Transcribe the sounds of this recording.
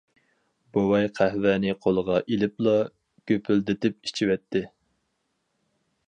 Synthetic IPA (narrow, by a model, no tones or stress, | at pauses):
bowɑjqʰæhvɛnɪqʰolˠəʁɑʔilɪplˠɑ | ɡ̥ʲøpʰyld̪ɪt̪ɪp̚i̥t͡ʃʰiwɛt̪ʰːɪ